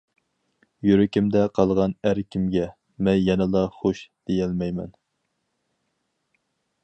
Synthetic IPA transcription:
jyɾɪkʲɪmd̪ɛqʰɑlˠʁɑnæɾkʲʰimɡʲɛ | mɛnjɛnɨlˠɑχoʃd̪̥ejɛlmɛjmɛ̰n

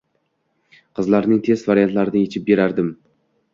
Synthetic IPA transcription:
qʰɨzlaɾnɪŋt̪ʰe̞zvaɾijant̪laɾɪnɪjet͡ʃʰɪp̚be̞ɾaɾd̪ɪm

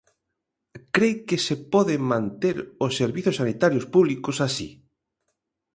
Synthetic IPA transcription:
kɾejkɪsepɔðɪmãnt̪eɾosːeɾβiθʊsanit̪aɾjospuβlikosasḭ

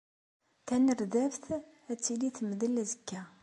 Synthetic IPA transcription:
θænəɾðævθ | æt͡sːiliθməðəlæzəkːæ

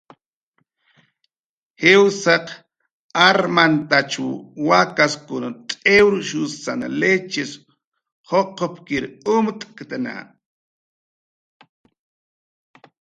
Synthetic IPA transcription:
hewsaq | aɾmant̪at͡ʃuwakaskʊnat̪ʼewɾʃʊsana̰let͡ʃɪs | hoqʰopkɪɾʊmt̪ʼkt̪ana̰

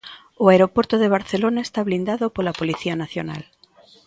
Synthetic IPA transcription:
oaeɾopwoɾt̪oðeβ̞aɾθelonaest̪aβlind̪aðopolapoliθianaθjona̰l

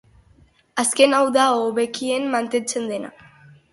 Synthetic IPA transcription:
aske̞nawðaoβe̞kiemːant̪e̞nt͡se̞nd̪e̞na̰

